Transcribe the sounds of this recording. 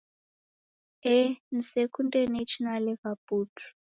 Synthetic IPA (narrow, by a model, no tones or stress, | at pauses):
ɛn̩sekundʼɛnet͡ʃʰinalɛɣapuːtʰu̥